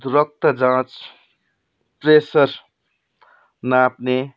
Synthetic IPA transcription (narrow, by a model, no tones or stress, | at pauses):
d̪ɾʌk̚t̪əd͡zãt͡s | pɾesʌɾ | napne